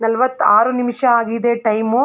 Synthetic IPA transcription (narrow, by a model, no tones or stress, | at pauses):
nɐlʋɐt̪ːaːɾunimʂɐaːɡid̪eʈɐjmu